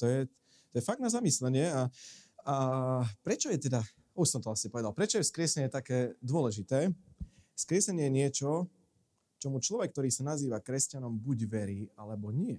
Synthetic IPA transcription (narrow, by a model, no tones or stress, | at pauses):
t̪ɔjɛ | t̪ɔjɛfaɡ̚d̪nazamislɛɲɪɛaapɾɛt͡ʃɔjɛt̪ɛd̪a | uʃsɔmt̪ɔasipɔʋɛd̪alˠpɾɛt͡ʃɔjɛskɾɪɛsɛɲɪɛt̪akɛːd̪ʊɔlɛʒit̪ɛː | skɾɪɛsɛɲɪɛjɛɲɪɛt͡ʃɔ | t͡ʃɔmut͡ʃlɔʋɛk̚ːt̪ɔɾiːsanaziːʋakɾɛscanɔmbuɟʋɛɾiːalɛbɔɲɪɛ